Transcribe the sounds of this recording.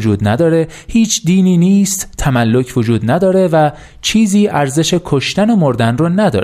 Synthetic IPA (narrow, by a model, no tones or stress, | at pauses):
d͡ʒuːd̪næd̪ɒːɾe̞ | hiːt͡ʃʰd̪iːniːniːst̪t̪ʰæmælːo̞cʰvod͡ʒuːd̪næd̪ɒːɾe̞væ | t͡ʃʰiːziːʔæɾze̞ʃe̞kʰoʃt̪ænomoɾd̪ænrɒːnæd̪ɒ̰ːɾ